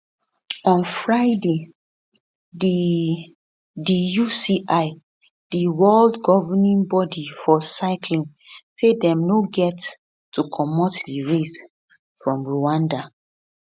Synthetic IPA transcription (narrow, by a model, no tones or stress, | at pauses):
ɔ̃nfɹaɪde | di | dijusiʔaɪ | d̥iwɛldɡɔvɛnɛ̃nbɔdifɔsaɪkʰlĩn | sedɛ̃mnoɡɛtː | ukʰɔmɔtdiɹes | fɹɔ̃mɹuãnda